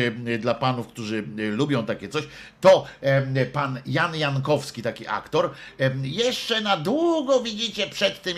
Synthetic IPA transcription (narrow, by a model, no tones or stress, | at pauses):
d̪lapanufkt̪uʐɘlubʲjɔ̃w̃t̪akʲɛt̪sɔɕ | t̪ɔ | panjanjaŋkɔfskʲit̪akʲiʔa̰kt̪ɔɾ | jɛʂt͡ʂɛnad̪wuɡɔvʲid͡ʑit͡ɕɛpʂɛt̪ːɘm